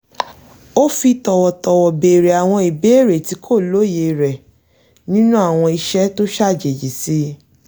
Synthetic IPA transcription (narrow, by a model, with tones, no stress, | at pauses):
o˦fi˧tɔ˨wɔ˨tɔ˨wɔ˨be˨ɾe˨a˨w̃ɔ̃˧i˨be˨˦e˦˨ɾe˨ti˧˦kʰo˦˨lo˦je˧˨ɾɛ˨ | nĩ˦nũ˦a˦˨w̃ɔ̃˧i˧ʃɛ˦to˦ʃa˦˨d͡ʒe˨d͡ʒi˨si˧˦